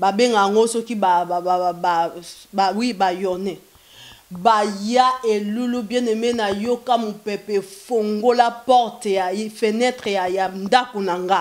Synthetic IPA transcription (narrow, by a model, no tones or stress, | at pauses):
babeŋɡajaŋɡosɔkibaabawibajɔnɛ | bajaelulubjɛ̃nɛmɛnajokamopɛpɛfoŋɡolapɔʁtjafenɛtʁejajandakonaŋɡa